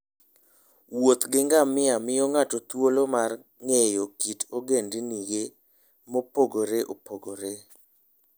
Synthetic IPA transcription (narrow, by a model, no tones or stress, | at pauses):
wot̪ɡɪŋɡamɪamɪjɔŋatɔt̪wolomar | ŋejokitoɡendiniɡe | mopoɡoɾeʔopoɡoɾe